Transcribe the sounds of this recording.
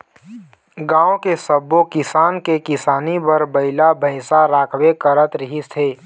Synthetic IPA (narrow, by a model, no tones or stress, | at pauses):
ɡãːõkesəbːokɪsaːnkekɪsaːnibəɾbəɪlabʱəɪsaɾaːkʰwekəɾət̪ɾɪɦist̪ʰeː